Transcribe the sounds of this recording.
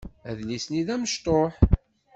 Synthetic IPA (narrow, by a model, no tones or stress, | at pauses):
æðlisniðæməʃt̪ˤoħ